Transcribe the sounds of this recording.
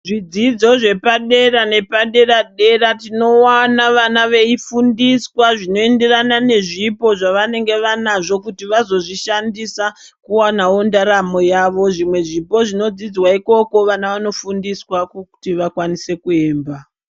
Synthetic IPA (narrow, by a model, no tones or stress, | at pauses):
ʐid͡zid͡zo̞ʐe̞paɗe̞ɾane̞paɗe̞ɾaɗe̞ratino̞wanaʋanaʋe̞ifundiswaʐino̞e̞nde̞ranane̞ʐipo̞ʐaʋane̞ŋɡe̞ʋanaʐo̞kutiʋazo̞ʐiʃandisakuwanao̞ndaɾamo̞jaːʋo̞ʐimwe̞ʐipo̞ʐino̞d͡zid͡zwaiko̞ko̞ʋanaʋano̞fundiswakku̥tiʋakwanise̞kue̞ːmba